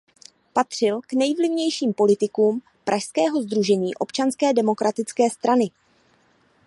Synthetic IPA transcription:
pat̪r̝̥ɪlknɛjvlɪvɲɛjʃiːmpo̞lɪt̪ɪkuːm | pɾʔaʃskɛːɦo̞zd̪ɾuʒɛɲiːʔo̞pt͡ʃanskɛːdɛmo̞kɾat̪ɪt͡skɛːst̪ɾanɪ

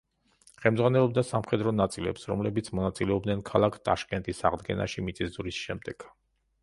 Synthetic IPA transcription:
χɛlmd̪zʁwanɛlˠɔb̚d̪asamχɛd̪ɾɔnat̪sʼilɛ̰psɾɔmlɛbit̪sʰmɔnat̪sʼilɛɔbd̪nɛnkʰalˠakʰt̪ʼa̰ʃkʼɛnt̪ʼisaʁd̪ɡɛ̰nʔa̰ʃimit̪sʼizd̪uɾisʃɛmd̪ɛɡ̥

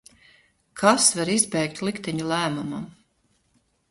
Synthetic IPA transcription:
kʰasvaɾizbɛjk̚t̪lˠikt̪ɛɲulˠæːmumam

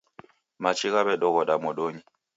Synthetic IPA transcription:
mat͡ʃʰiɣaβɛɗɔɣɔɗamɔɗoɲi

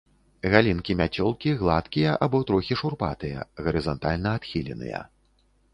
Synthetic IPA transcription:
ɣalʲinkʲimʲat͡sʲɔlˠkʲiɣlˠat̪kʲijɐʔabɔt̪ɾɔxʲiʂurpat̪ɨjɐ̰ɣɐɾɨzɔnt̪alʲnɐːt̪xʲilʲɛ̰nɨ̰jɐ̰

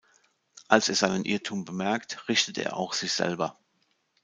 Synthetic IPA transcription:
ʔalseːɐzaɪnənʔɪɐtʰuːmbəmɛɐktʁɪçtətḛːɐʔa̰ʊxz̥ɪçz̥ɛ̰lbɐ

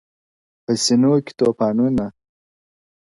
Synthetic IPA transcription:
pəsinoːkʲi̥t̪oːpɑːnuna

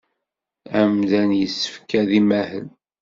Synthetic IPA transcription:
æmðænjəsːə̥fkæðimæhəl

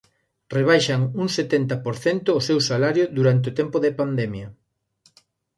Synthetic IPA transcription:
reβ̞ajʃɐŋuŋset̪ent̪ɐpoɾθent̪ʊːsewsalaɾjoðuɾant̪̬eot̪ɛmpoðepand̪ɛmjɐ

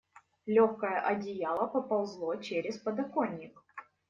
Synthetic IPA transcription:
lʲoxkəjəʔɐdʲɪjalˠəpɐpɐlˠzlˠot͡ɕeɾʲɪspəd̪ɐkonʲːɪk

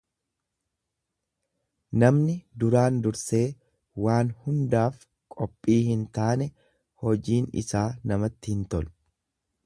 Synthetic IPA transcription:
nɐmnɪd̪ʊɾaːnd̪ʊɾse̞ː | waːnhʊnd̪aːf | kʼɔpʼːiːhɪnt̪aːnɛ | hɔd͡ʒiːnɪ̰saːnɐmɐt̪ːɪhɪnt̪ɔl

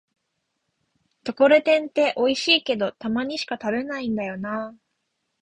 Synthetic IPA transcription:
t̪o̞ko̞ɾet̪ẽ̞nt̪e̞ʔo̞iɕiːke̞d̪o̞t̪amaɲ̟iɕi̥kat̪abe̞naĩnd̪ajo̞na

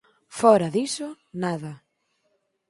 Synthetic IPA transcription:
fɔɾɐðisʊ | naðɐ

